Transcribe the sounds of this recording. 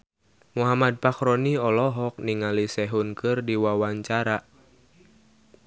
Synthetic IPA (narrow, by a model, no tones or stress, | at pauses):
muɦamad̚pakɾɔniɔlɔɦɔk̚niŋalisɛɦunkɨrdiwawaɲt͡ʃaɾa